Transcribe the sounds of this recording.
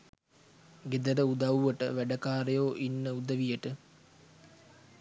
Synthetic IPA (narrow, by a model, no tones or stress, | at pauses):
ɡed̪əɾəud̪awʋəʈə̰ʋæɖəkaːɾejoːʔinːəud̪əʋijəʈə